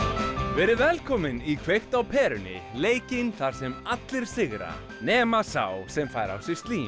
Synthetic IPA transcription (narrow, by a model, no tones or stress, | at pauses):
vɛːɾɪɾvɛlkʰɔːmɪnikʰvejxt̪awpʰɛːɾʏnɪ̰leːjcɪnθaɾ̥sɛmat̪lɪɾ̥sɪɣɾa̰ | nɛːmasa̰wsɛmfaːjɾa̰wsɪ̥st̪liː